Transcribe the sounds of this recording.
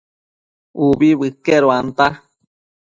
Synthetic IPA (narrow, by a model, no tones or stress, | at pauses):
ubiβɨkeɾoant̪a